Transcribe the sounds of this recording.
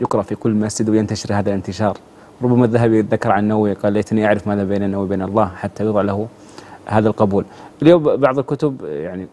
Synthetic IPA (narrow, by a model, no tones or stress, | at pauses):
jɪqɾˤɑʔfikʊlːmasd͡ʒɪd̪wɪjɪnt̪aʃɪɾhaːðalɪnt̪ɪʃɑːɾˤ | ɾˤʊbːamaðːaɦabit̪ðːakːɑɾˤʕanːawːiqɑːlːeːt̪niʔaʕɾɪfmaːðabeːnanːawibeːnɑlˤːɑːhħat̪ʰːajɨðˤɑʕlahʊ | haːðalqɑbuːlʔɪljoːmbɑʕðˤɑlkʊt̪ʊbjaʕni